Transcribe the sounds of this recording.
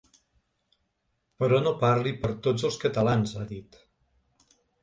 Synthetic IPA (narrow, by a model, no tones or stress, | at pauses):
pəɾɔnopaɾlipəɾt̪od͡zzəlˠskət̪əlanzaðit̪